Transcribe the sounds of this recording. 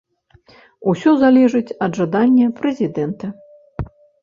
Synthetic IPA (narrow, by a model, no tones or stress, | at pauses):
usʲɔzalʲɛʐɨt͡sʲɐd̪ʐad̪anʲːɐpɾɛzʲid̪ɛnt̪ɐ